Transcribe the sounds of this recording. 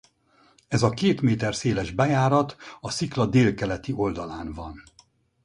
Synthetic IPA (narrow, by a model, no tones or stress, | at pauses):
ɛzɒkeːt̪meːt̪ɛrseːlɛʒbɛjaːɾɒt̪ɒsiklɒd̪eːlkɛlɛt̪io̞ld̪ɒlaːnvɒ̰n